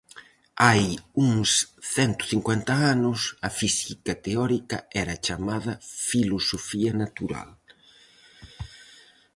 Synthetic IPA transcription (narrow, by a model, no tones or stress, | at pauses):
ajuŋsθɛnt̪ʊ̥θiŋkwɛnt̪ɐanʊsɐfisikɐt̪eɔɾikɐ̰ɛɾɐt͡ʃamaðɐfilosofiɐnat̪uɾa̰l